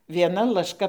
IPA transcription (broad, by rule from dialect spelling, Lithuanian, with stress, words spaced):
ʋʲiɛˈnɐ lˠɐʃˈkɐ